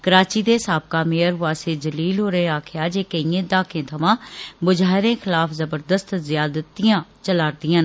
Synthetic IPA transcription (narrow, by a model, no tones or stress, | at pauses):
kəɾaːt͡ʃiːd̪esaːb̚kaːmeːəɾʋaːsed͡ʒəliːlɦoːɾəɦẽaːkʰɪjaːd͡ʒeːkəiẽːd̪aːkʰẽːt̪ʰɐmãːbʊd͡ʒaːɦɪɾẽːxɪlaːfʰzəbəɾd̪əst̪zjaːd̪ət̪ːijãːt͡ʃəlaːɾd̪ɪjãːn